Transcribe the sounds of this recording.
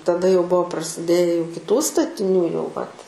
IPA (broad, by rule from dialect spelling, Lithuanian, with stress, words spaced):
tɐˈdɐ jɛʊ ˈbuɔ prɐsʲɪˈdʲeːjɛ jɛʊ kʲɪˈtuː stɐtʲɪˈnʲuː jɛʊ ʋɐt